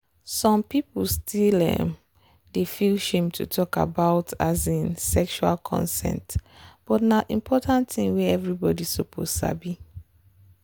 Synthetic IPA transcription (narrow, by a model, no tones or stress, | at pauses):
sɔ̃mpipulstʰilɛ̰̃m | defilʃẽmtʰṵtʰɔka̰baʊtazĩnsɛkʃua̰lkʰɔ̰̃nsɛ̰̃ntb̥ɔtnaʔĩmpʰɔtãntθĩŋwɛɛvɹibɔdisopʰoz̥sa̰bi